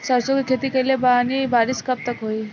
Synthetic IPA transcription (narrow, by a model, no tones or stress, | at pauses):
səɾsokkʰet̪ikelebanibaɾiskəp̚t̪əkɦoi